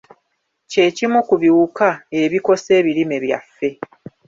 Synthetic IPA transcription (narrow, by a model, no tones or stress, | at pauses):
ce̞cimukuβiwukae̞βiko̞se̞ːβiɾime̞βja̰fːe̞